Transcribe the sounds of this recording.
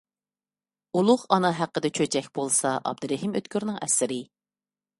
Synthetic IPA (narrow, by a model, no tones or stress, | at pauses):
ulˠʊʁɑnɑɦæqːəd̪ɛt͡ʃʰøt͡ʃʰɛkʲbolˠsɑʔɑ̰b̚d̪ɨɾɛɦimø̰t̪kʲʰyɾnɪŋɛ̰sɪɾɪ